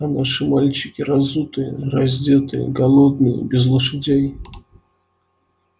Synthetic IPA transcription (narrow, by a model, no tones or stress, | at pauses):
naʂɨmalʲt͡ɕɪkʲɪɾɐzut̪ɨjə̰ɾɐzʲdʲet̪ɨjə̰ɡɐlˠod̪nɨjə̰bʲɪzlˠəʂɨdʲej